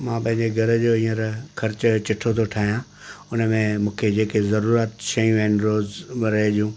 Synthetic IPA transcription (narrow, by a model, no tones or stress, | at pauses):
mãːpɐ̃ɦɪ̃ɲd͡ʑeɡʱɐɾəd͡ʑoːĩːə̃ɾkʰɐɾt͡ɕət͡ɕɪʈʰot̪ʰoʈʰaːɦijãː | ʊnəmẽmũːkʰed͡ʑeːkezɐɾuːɾət̪ʃɐjũaːɦɪnɾoːzɾɐɦeɗijũː